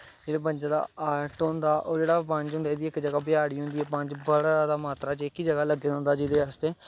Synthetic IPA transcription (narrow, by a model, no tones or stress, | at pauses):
d͡ʒeːɽeːbə̃ɲd͡ʒãːd̪a̰ːaːʈond̪aːʔo̰ːɾd͡ʒeːɽaːpə̃ɲt͡ʃɦʊnd̪aːd̪iːɪkd͡ʒəɡaːbɪjaːɽiːɦʊ̃nd̪iːɛːpəɲt͡ʃbəɽad̪aːmaːt̪ɾaːt͡ʃɪkiːd͡ʒəɡaːləɡːeːd̪ɦnd̪aːd͡ʒɪd̪eːast̪eː